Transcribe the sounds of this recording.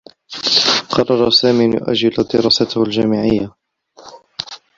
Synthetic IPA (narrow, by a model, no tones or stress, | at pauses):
qɑrˤːɑɾˤɑsaːmiːnjʊ̰ʔa̰d͡ʒːɪlad̪ɪɾɑːsat̪hald͡ʒaːmɪʕɪjːa